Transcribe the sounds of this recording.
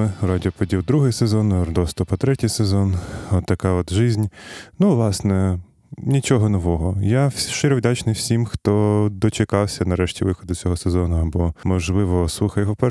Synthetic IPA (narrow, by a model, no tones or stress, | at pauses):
ɪɾɑdʲɪɔpɔdʲiwd̪ɾuɦɪjsezɔnɔrd̪ɔst̪ɔpɐt̪ɾɛtʲijsezɔnɔt̪ːɐkɑɔd̪ʒɪzʲnʲnuʋlˠɑsnɛ | nʲit͡ʃɔɦɔnɔʋɔɦɔjaʃɪɾɛwd̪ʲat͡ʃnɪwsʲimxt̪ɔd̪ɔt͡ʃekɑwsʲɐnɐɾɛʃtʲiʋɪxɔd̪ʊt͡sʲɔɦɔsezɔnʊɐbɔmɔʒlˠɪʋɔsˠuxɐjɦɔpɛ